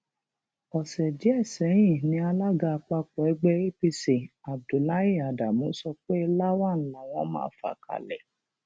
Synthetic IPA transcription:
ɔ˨sɛ˨d͡ʒi˨˦ɛ˦˨sɛ˨˦j̃ĩ˦˨nĩ˧˦a˧la˦ɡa˧k͡pa˧k͡pɔ˨ɛ˦ɡ͡be˦e˦pi˧si˨a˨b̚du˨la˦ji˦˨a˨da˨mũ˨˦sɔ˧k͡pe˦la˦wa˦˨n̩˦la˨w̃ɔ̃˧˦mã̰ː˦fa̰˨ka̰˧˨lɛ̰˨

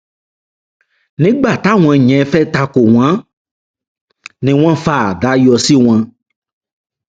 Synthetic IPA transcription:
nẽ˨˦ɡ͡ba˨t̪a˦ŋ̃˨ɛ̃˨ɲɛ̃˨˦fɛ˦t̪a˦ko˨w̃ã˦ | nẽ˨w̃ã˦fa˨ɖa˨˦jɔ˨si˦w̃ã˦

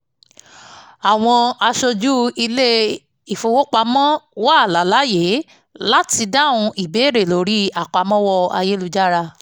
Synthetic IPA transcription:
a˨w̃ɔ̃˧a˧ʃɔ˧d͡ʒu˦i˧le˦ | i˨fo˨˧wo˦k͡pa˧mɔ̃˦wɔ˦a˦˨la˨˦la˨˦je˨˦ | la˦ti˧da˦˨wũ˧ʔi˨be˨˦˨ɾe˨lo˨˦ɾi˦a˨k͡pa˧mɔ̃˦wɔ˦˧a̰˧je˦lu˨˧d͡ʒa˦ɾa˧

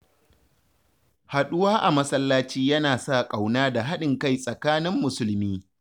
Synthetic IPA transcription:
ha˨ɗʊ˦waː˦ʔa˨mɐ˦sɐ˦lːaː˦t͡ʃiː˦jɐ˦naː˨sa˦˨kʼa˨wnaː˦da˨ɦa˦ɗɪ˨ŋka˦˨jsʼɐ˨kaː˦nɪ˦mːʊ˨sʊ˦lmiː˦

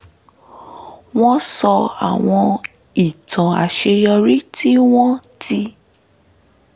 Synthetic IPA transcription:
w̃ɔ̃˦sɔ˧a̰˨w̃ɔ̃˧ | i˨tã˨a̰˨ʃe˧jɔ˧ɾi˦ti˦w̃ɔ̃˦ti˧

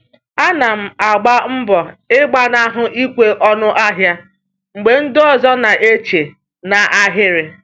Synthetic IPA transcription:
a˦na˨m̩˨a˨ɡ͡ba˦m̩˦bɔ˨ɪ˦ɡ͡ba˦na˦ɦʊ˨i˦kʷe˦ʔɔ˦nʊ˦ʔa˦ɦja˦ | ŋ͡m̩˨ɡ͡be˨n̩˦dɔ˦zɔ˦na˨ʔe˦t͡ʃe˨ | na˨ʔa˦ɦɪ˦ɾɪ˨

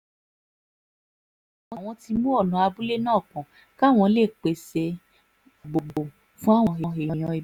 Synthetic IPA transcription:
a˨w̃ɔ̃˨w̃ɔ̃˧ti˧mũ˦ɔ˦˨lɔ̃˨a˧bu˦le˦nãː˦˨kɔ̃˨ | ka˦˨w̃ɔ̃˧le˦˨k͡pe˨se˧˨ | ɡ͡bo˨ɡ͡bo˨ | fũ˦a˦˨w̃ɔ̃˧ɦẽ˧ɦe˨jɔ̃˨j̃ɔ̃˧i˨˦

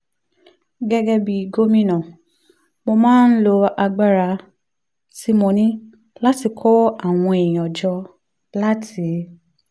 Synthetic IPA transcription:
ɡɛ˦ɡɛ˧bi˨ɡo˦mĩ˦nã˨ | mo˧mãː˦n̩˦lo˧a˧ɡ͡ba˦ɾa˧ | si˦mõ˧nĩ˦ | la˦ti˧kʰɔ˦a˦˨w̃ɔ̃˧e˨j̃ɔ˨d͡ʒɔ˧ | la˦tʰi˨˦

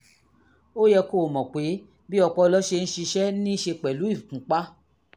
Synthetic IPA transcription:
o˦jɛ˧ko˦˨mɔ̃˨k͡pe˨˦ | bi˦ɔ˧k͡pɔ˦˧lɔ˦ʃe˧ñ̩˦ʃi˧ʃɛ˦nĩ˦ʃe˧k͡pɛ˨lu˨˦i˦˨kũ˨˦k͡pa˦

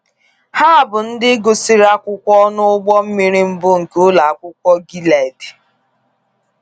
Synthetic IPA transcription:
ha˦˨bʊ˨n̩˦dɪ˦ɡo˨si˦ɾa˦kʷʊ˦kʷɔ˦nʊ˦ʊ˦ɡ͡bɔ˦m̩˦mi˨ɾi˦m̩˦bʊ˦ŋ̩˨kʊ˦la˨a˨kʷʊ˦kʷɔ˦ɡi˦la˨i˨di̥˨

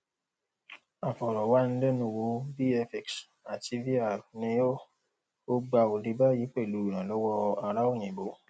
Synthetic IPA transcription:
a˨fɔ˨ɾɔ˨wa˦n̩˦lɛ˦nũ˧˦˨wo˧˦bi˦ɛ˧fɛ˨ks | a˨ti˧vi˦a˨nĩ˧o˦ | o˦ɡ͡ba˧o˨ɾi˨˧˦ba˦ji˨˦k͡pɛ˦˨lu˨˦i˨ɾ̃ã˨lɔ˨˦wɔ˦a˧ɾa˦o˦˨ɲ̃ĩ˨bo˨˦

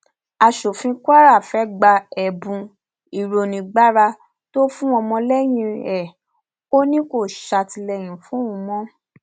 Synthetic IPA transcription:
a˧ʃo˨fĩ˧kʷa˦ɾa˦˨fɛ˨˦ɡ͡ba˧ɛ˨bũ˧ | i˨ɾo˨nĩ˨ɡ͡ba˦ɾa˧ | to˦fũ˦ɔ˧mɔ̃˧lɛ˦j̃ĩ˧ɛ˨ | o˦nĩ˦ko˦˨ʃa˧ti˧lɛ˧˨j̃ĩ˨fũ˨˦ũ˨˧mɔ̃˦

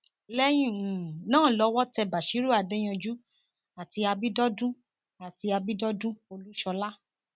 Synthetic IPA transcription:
lɛ˦j̃ĩ˦˨nãː˦˨lɔ˨˧˦wɔ˦tɛ˧ba˨ʃi˨˦ɾu˦a˨dɛ˦j̃ɔ̃˧d͡ʒu˦ | a˨ti˧a˧bi˦dɔ˦dũ˦ | a˨ti˧a˧bi˦dɔ˦dũ˦o˧lu˦ʃɔ˧la˦

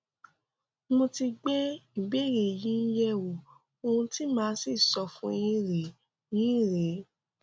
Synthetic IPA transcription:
mo˧ti˧ɡ͡bɛ˦i˦˨be˦˨ɾe˨jĩ˦n̩˦jɛ˦wo˨ | o˧hũ˧ti˦mãː˦si˦˨sɔ˧fũ˦e˧jĩ˦ɾe˨˦ | jĩ˦˨ɾe˨˦

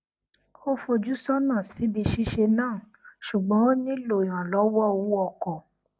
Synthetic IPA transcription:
o˦fo˧d͡ʒu˦sɔ˦nãː˦˨si˨˦bi˧ʃi˦ʃe˧nãː˦˨ | ʃu˨ɡ͡bɔ̃˨˦o˦nĩ˦lo˦˨j̃ã˨lɔ˨˦wɔ˦˨wu˨˦ɔ˦˧˨kɔ˨

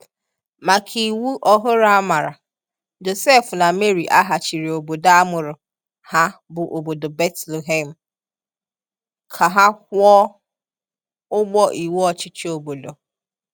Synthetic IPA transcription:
ma˨kʰi˨wu˦ʔɔ˦ɦʊ˦ɾa˦ma˨ɾa˨ | d͡ʒo˨se˦fʊ˨na˨me˦ɾi˨ʔa˦ɦa˨t͡ʃi˨ɾi˨o˨bo˨da˦a˦mʊ˨ɾʊ˨ | ha˦bʊ˨ʔo˨bo˨do˨be˦tle˨ɦe˦m̩˨ | kʰa˨ɦa˦kʷɔ˦ | ʊ˦ɡ͡bɔ˦ʔi˨we˦ɔ˦t͡ʃɪ˦t͡ʃi˦o˨bo˨do˨

